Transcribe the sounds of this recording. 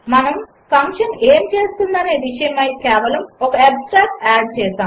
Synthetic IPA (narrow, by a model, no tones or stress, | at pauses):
mɐnɐm | pʰɐŋkʂɐneːmt͡ʃe̞ːst̪und̪ɐne̞ːʋiʂɐjɐmɐjkɛːʋɐlɐmokɐebsʈɾaːʈaːɖ̚t͡ʃɛːsaːm